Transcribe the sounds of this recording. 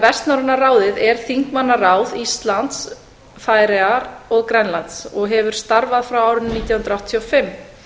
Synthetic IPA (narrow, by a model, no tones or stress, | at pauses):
vɛst̪nawɾʏnːaraːwðɪðɛɾ̥θiŋkmanːaraːwðist̪lant̪s | faːjɾɛaɾɔɣkɾɛnlant̪sɔɣɦɛvʏɾ̥st̪aɾvaðfɾawaːwɾʏnːiːt̪jawhnt̪ɾawht̪t̪ʰjɔfɪmː